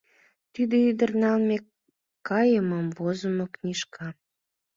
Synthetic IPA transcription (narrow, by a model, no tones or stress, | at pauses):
t̪yd̪əyd̪ərnɑlme | kːɑjəməmvozəmokniʃkʰɑ